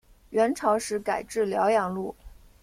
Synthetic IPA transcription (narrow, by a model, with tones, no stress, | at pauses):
ɥɛ˧˥nʈ͡ʂʰɑ˧˥ʊʂɻ̩˧˥ka˨˩ɪʈ͡ʂɻ̩˥˩ljɑ˧˥ʊjɑ˨˩ŋlu˥˩